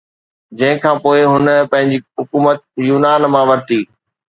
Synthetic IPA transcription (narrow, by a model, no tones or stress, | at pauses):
d͡ʑɐ̃ɦɪ̃kʰãːpoːɪɦʊnəpɐ̃ɦɪ̃ɲd͡ʑiɦʊkuːmət̪̚juːnaːnmãːʋɐɾt̪iː